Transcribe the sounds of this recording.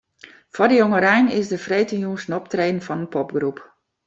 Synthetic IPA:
fɔdəjɔŋəɾɛjnɪsdəfreːtənjunsnɔptreːdən̩fɔnənpɔpɡrup

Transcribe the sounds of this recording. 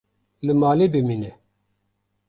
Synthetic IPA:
lɨmaːleːbɨmiːnɛ

